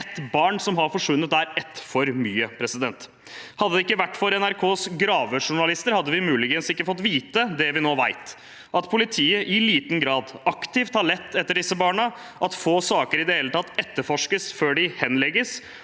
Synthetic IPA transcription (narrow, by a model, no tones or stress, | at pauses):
ɛt̪bɑːɳsɔmɦɑɾfɔʂʋʉnːət̪̚d̪æɾɛt̪fɔɾmyːəpʰɾɛsɪd̪ɛnt̪ | hɑd̪ːəd̪ɛɪkːəʋæʈːfɔɾɛnæɾkʰoːsɡɾɑːʋəʂʊɳɑlɪst̪əɾhɑd̪ːəʋɪmʉːlɪɡənsɪkːəfɔt̪ːʋiːt̪əd̪ɛʋɪnoːʋæɪt̪ | ʔɑt̪pʰʊlɪt̪ʰiːəʔɪliːt̪n̩ɡɾɑːd̪ɑkt̪ɪft̪hɑɭɛt̪ːɛt̪ːəɖɪsəbɑːɳə | ʔɑt̪foːsɑːkəɾɪd̪ɛheːlət̪ʰɑt̪ːɛt̪ːəɾfɔʂkəsføːɖɪhɛnlɛɡəs